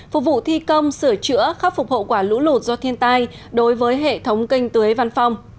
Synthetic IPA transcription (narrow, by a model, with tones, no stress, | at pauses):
fʊ˨˩k͡p̚vṵ˧˨t̪ʰi˧kə˧wŋ͡msɨ˧˩ət͡ɕɨ̰˧˥əxa˦˥p̚fʊ˨˩k͡p̚ho̰˧˨kwaː˧˩lṵ˧˥lu˨˩t̚zɔ˧t̪ʰi˧ənt̪aː˧j | ɗo˨˦jvəː˨˦jɦḛ˧˨t̪ʰə˨˦wŋ͡mkï˧jŋ̟t̪ɨ˨˦ə˦jva˧nfa˧wŋ͡m